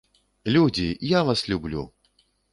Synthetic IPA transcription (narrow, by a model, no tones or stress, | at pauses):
lʲud͡zʲijavaslʲublʲṵ